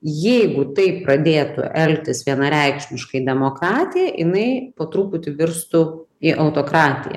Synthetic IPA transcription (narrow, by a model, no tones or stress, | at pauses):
jɛɪɡʊt̪ɐɪpɾɐd̪ʲeːt̪ʊ̰ʔɛlʲt̪ʲɪsʋʲiɛnɐɾʲɛɪkʃʲmʲɪʃkɐɪd̪ʲɛmoːkɾɑːt̪ʲɪjɛʔɪnɐɪpoːt̪ɾuːpʊt̪ʲɪʋʲɪɾst̪ʊ | ɪʔɐʊt̪oːkɾɑːt̪ʲɪ̰jɛ̰